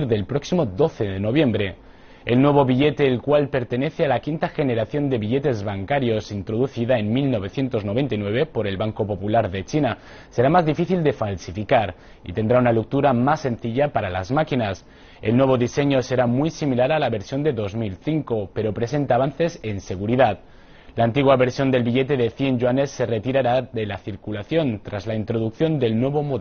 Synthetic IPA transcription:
ɾðelpɾoksimoðo̞θeðeno̞β̞je̞mbɾe̞ | elnweβ̞o̞βiʎet̪eːlkwalpe̞ɾt̪e̞neθealakint̪axe̞neɾaθjo̞nd̪e̞βiʎet̪e̞zβaŋkaɾjo̞sint̪ɾoð̞uθiðaenmilno̞β̞e̞θje̞nt̪o̞znoβe̞nt̪ajnwe̞β̞epo̞ɾe̞lβaŋko̞po̞pulaɾðe̞t͡ʃina | se̞ɾamazðifiθild̪e̞falsifikaɾ | ḭt̪e̞nd̪ɾaunaluk̚t̪uɾamasːe̞nθiʎapaɾala̰zmakinas | elnweβ̞o̞ðise̞ɲose̞ɾamujsimilaɾalaβe̞ɾsjo̞nd̪e̞ðo̞zmilθiŋkope̞ɾopɾe̞se̞nt̪aːβ̞anθe̞se̞nse̞ɣ̞uɾiðat̪ | laːnt̪iɣwaβe̞ɾsjo̞nd̪e̞lβiʎet̪e̞ðeθje̞nʒwanesːe̞ret̪iɾaɾaðe̞laθiɾkulaθjo̞nt̪ɾazlaint̪ɾoðuk̚θjo̞nd̪e̞lnweβ̞omo

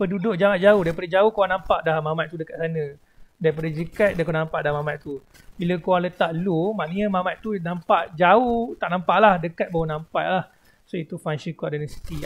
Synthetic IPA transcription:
pədudoʔ̚d͡ʒaŋan̚d͡ʒauhdaɾipadad͡ʒaohkowaŋnãmpaʔdamamaʔ̪t̪udəkat̪̚sanə̃ | daɾipadad͡ʒəkat̪̚dakonampaʔdahmamãʔ̪̚t̪u | biləkowaŋlət̪aʔlumaʔnəɲamamat̪ʔ̪t̪unampaʔd͡ʒaoht̪aʔnampaʔlahdəkat̪̚bawənampaʔlah | soit̪ufanʃəkɔdanəsi̥t̪i

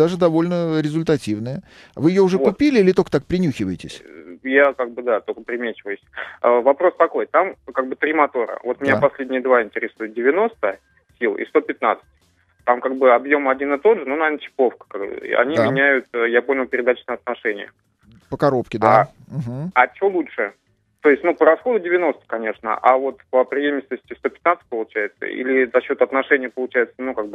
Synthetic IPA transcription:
d̪aʐɨd̪ɐvo̞lʲnəɾʲɪzʲʊlʲt̪ɐtʲivnəjə | vɨjɪjoʊʐɛkʊpʲilʲɪilʲɪt̪okət̪ak̚pɾʲɪnʲuxʲɪvəjɪtʲɪ̰sʲjakaɡ̚bɨd̪at̪okəpɾʲɪmʲet͡ɕɪvəjʊsʲəvɐpɾo̞st̪ɐko̞jt̪amkaɡ̚bɨt̪ɾʲɪmɐt̪o̞ɾə̰vo̞t̪mʲɪnʲapɐsʲlʲedʲnʲɪjəd̪vaɪnʲtʲɪɾʲɪsujʊt̪̚dʲɪvʲɪno̞st̪ə | sʲilˠḭst̪o̞pʲɪt̪na̰t̪sɨ̥tʲ | t̪amkaɡ̚bɨɐbjo̞mɐdʲinɨt̪o̞d̪ʐɨnonɐvenət͡ɕɪ̥po̞fkə̥kaɡbɨ̰ɐ̰nʲimʲɪnʲæjʊt̪ːjapo̞nʲɪlˠpʲɪɾʲɪd̪at͡ɕnəjɐt̪nɐʂɛnʲɪjə̰ | pəkɐɾopkʲɪd̪a | ɦ̩ɐt͡ɕɪvolˠutʂɨ | t̪o̞ɪsʲt̚ʲnupəɾɐsxo̞d̪ʊdʲɪvʲɪno̞st̪ə̥kɐnʲe̞ʂnə̰ʔa̰vo̞t̪pəpɾʲɪjemʲɪsʲtʲnəsʲtʲɪst̪o̞pʲɪt̪nat̪sɨ̥t̚ʲpəlˠʊt͡ɕæjɪt̪sə̰ḭlʲɪzɐɕːo̞t̪ɐt̪nɐʂɛnʲɪjəpəlˠʊt͡ɕæjɪt̪sənukaɡ̚bɨ

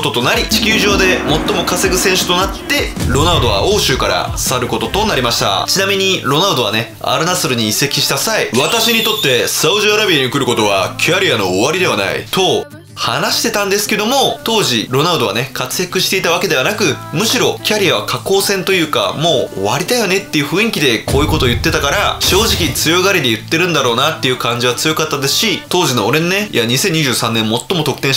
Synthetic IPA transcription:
ot̪o̞t̪o̞naɾʲit͡ɕi̥kʲɨːʑo̞ːd̪e̞mo̞t̪ːomo̞kase̞ɡɯ̟sẽ̞ɰ̃ɕɨ̥t̪o̞nat̪ːe̞ɾo̞naɯd̪o̞βa̰o̞ːɕɨːkaɾa̰saɾɯ̟ko̞t̪o̞t̪o̞naɾʲimaɕi̥t̪a̰t͡ɕinamʲiɲ̟iɾo̞naɯd̪o̞βa̰ne̞ | a̰ɾɯ̟nasɨɾɯ̟ɲ̟iːse̞kʲi̥ɕi̥t̪asaiβat̪aɕiɲ̟it̪o̞t̪ːe̞sɨaɯʑiaɾabʲiaɲ̟ikɯ̟ɾɯ̟ko̞t̪o̞βa̰kʲʰaɾʲijano̞ːβaɾʲid̪e̞βana̰ḭt̪o̞ | hanaɕi̥t̪e̞t̪ãnd̪e̞sɨ̥ke̞d̪omo̞t̪o̞ːʑiɾo̞naɯd̪o̞β̞a̰ne̞kat͡sɨjakɯ̟ɕi̥t̪e̞it̪aβ̞ake̞d̪e̞βanakɯ̟mɯ̟ɕiɾo̞kʲaɾʲijaβakʰako̞ːsẽ̞nt̪o̞jɯ̟ːka̰mo̞̰ːβaɾʲid̪ajo̞ne̞t̪ːe̞jɯ̟ɸɯ̟ĩŋkʲid̪e̞ko̞ːjɯ̟ko̞t̪oːjɯ̟t̪ːe̞t̪akaɾaɕo̞ːʑikʲit͡sɨjo̞ɡaɾʲid̪e̞jɯ̟t̪ːe̞ɾɯ̟̃nd̪aɾo̞ːnat̪ːe̞jɯ̟kãɲ̟d͡ʑiβat͡sɨjo̞kat̪ːad̪esɨ̥ɕit̪o̞ːʑino̞ːɾe̞nonejaɲ̟isẽ̞ɲ̟ːiʑɨ̟ːsãnːẽ̞mːo̞t̪ːo̞mo̞t̪o̞kɯ̟̥ẽ

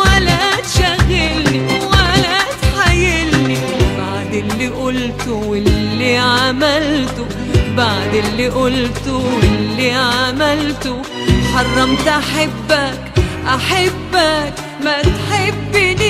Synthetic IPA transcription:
walat̪ʃaɣːɪlniwalat̪ħajɪlni | baʕd̪ɪlːiʔʊlt̪ʊɪllːiʕamalt̪ʊ | baʕd̪ɪlːiʔʊlt̪ʊɪlːiʕamalt̪ʊ | ħɑrˤːɑmt̪ʔaħɪbːakʔaħabːak | mat̪ħɪbːni

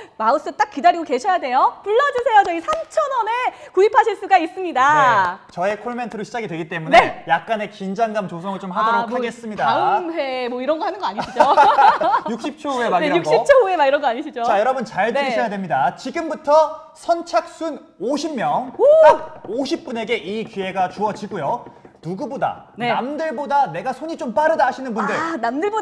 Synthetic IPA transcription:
maɯs͈ɯt͈ak͈idaɾiɡoke̞ɕʰʌjade̞jopuɭːʌd͡ʑisʰe̞jot͡ɕʌisʰamt͡ɕʰʌnʌne̞kuipʰaɕʰiɭs͈uɡais͈ɯmɲidaet͡ɕʌe̞kʰoɭme̞ntʰɯɾoɕʰid͡ʑaɡidwe̞ɡit͈e̞mune̞jak̚k͈ane̞kind͡ʑaŋɡamt͡ɕosʰʌŋɯɭt͡ɕomɦaddoɾokʰaɡe̞s͈ɯmɲidamɸe̞mwʌiɾʌnɡʌhanɯnɡʌaɲiɕiid͡ʑo | jukɕ͈ip̚t͡ɕʰouemaukɕ͈it͡ɕʰouemaiɾʌnɡʌaɲiɕʰid͡ʑot͡ɕajʌɾʌbɯnt͡ɕaɭduɾiɕʰʌjadwemɲidat͡ɕiɡɯmbutʰʌ | sʰʌnt͡ɕʰak̚s͈un | oɕʰimːjʌŋk͈aɡ̚oɕʰip̚p͈une̞ɡe̞ʔikie̞ɡat͡ɕuʌd͡ʑiɡujonuɡuboda̰nneamdɯɭbodane̞ɡasʰoɲit͡ɕomp͈aɾɯdaɦaɕʰinɯnbundɯɭnamdɯɭbo

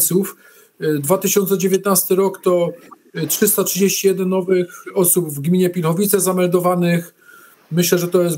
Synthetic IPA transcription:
t̪suf | d̪vat̪ɘɕɔnt̪sɛd͡ʑevʲjet̪nast̪ɘɾɔkt̪ɔ | tʂɘst̪atʂɘd͡ʑeɕt͡ɕijɛd̪ɛnːɔvɘxɔsubvɡmʲiɲɛpʲilxɔvʲit̪sɛzamɛld̪ɔvanɘx | mɘɕlɛʐɛt̪ɔjɛs

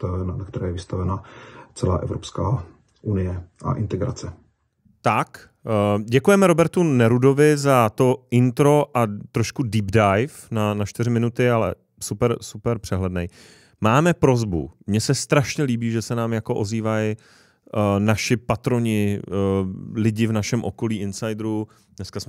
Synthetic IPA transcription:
nakt̪ɛɾɛːjɛvɪst̪avɛnat͡sɛla̰ːʔɛ̰vɾopskaː | ʔunɪjɛʔa̰ʔɪnt̪ɛɡɾat͡sɛ | t̪ak | ɟɛkujɛmɛɾo̞bɛɾt̪unɛɾudo̞vɪzat̪o̞ɪnt̪ɾo̞ʔat̪ɾoʃkudiːbdajfnanat͡ʃt̪ɪrɪmɪnut̪ɪalɛ̰ | supɛɾsupɛɾpr̝̥ɛɦlɛdnɛ̰j | maːmɛpɾo̞zbṵmɲɛsɛst̪ɾaʃɲɛliːbiːʒɛsɛnaːmjako̞ʔo̞ziːvaj | naʃɪpat̪ɾo̞ɲɪ | lɪɟɪvnaʃɛmʔo̞ko̞liːʔɪnsajdɾu | dnɛskas

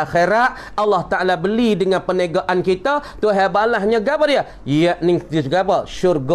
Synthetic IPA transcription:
axeɾat̪̚ | alːɑht̪aʔalabəlidəŋanpənəɡaʔankit̪ət̪uɦebalaɦɲaɡabaɾia | jaʔnɪŋd̪isɡabaʃʊrɡɔ

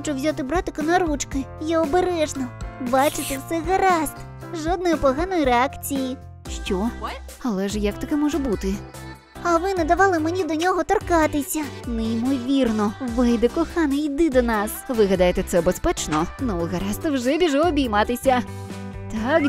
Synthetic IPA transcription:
xɔt͡ʃʊwzʲat̪ɪbɾat̪ɪkɔnɐɾut͡ʃkɪjaɔbeɾɛʒnɔbat͡ʃɪt̪ɛwsɛɣɐɾast̪ | ʒɔd̪̚nɔjipɔɦanɔjiɾeakt͡sʲiji | ʃt͡ʃʲɔ | ɐlˠɛʒjɐk̚t̪ɐkɛmɔʒɛbut̪ɪ | ɐʋɪnɐd̪ɐʋɑlˠɪmenʲid̪ɔnʲɔɦɔt̪ɔrkɑt̪ɪsʲɐnɛimɔʋʲirnɔʋɛjd̪ɛkɔxanɐid̪ɪd̪ɔnɑsʋɪɦɐd̪ajet̪ɛt̪sɛbespɛt͡ʃnɔnɔɣɐɾast̪ɪwʒɛbʲiʒɛɔbʲijmat̪ɪsʲɐ | t̪ak

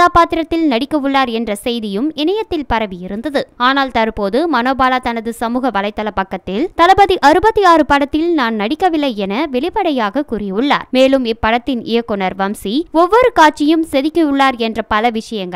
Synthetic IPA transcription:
aːpaːt̪ɪɾɐt̪ːɪlnɐɽɪkːɐɯɭːaːɾɛndrɐsɛjðɪjɯmɪnɐjɐt̪ːɪlpɐɾɐʋijɪɾɯnd̪ɐðɯaːnaːlt̪ɐɾpoːðɯmɐnoːbaːlat̪ɐnɐðɯsɐmuːɣɐʋɐlɐɪt̪ːɐlɐpːɐkːɐt̪ːɪlt̪ɐlɐbɐðiʔɐɾɯbɐt̪ːiaːrɯpɐɽɐt̪ːɪlnaːnnɐɽɪkːɐʋɪlːɐɪɛnɐʋɛɭɪpɐɽɐjaːɣɐkurɪjɯɭːa̰ːɾmeːlɯmɪpːɐɽɐt̪ːɪnɪ̰jɐkːɔnɐɾʋɐmsiɔʋːɔɾɯkaːʈ̚t͡ʃɪjɯmsɛðɪkːɐʊɭːaːɾɛndrɐpɐlɐʋɪʂɐjɐŋɡɐ

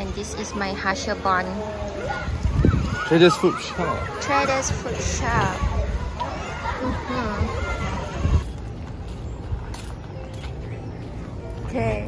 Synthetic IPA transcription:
ɛ̃ndisismajhaʃəbɔ̃n | tɹeɾəsfutʃatʰɹedəsfut̚ʃa | m̩hm̩ | okʰe

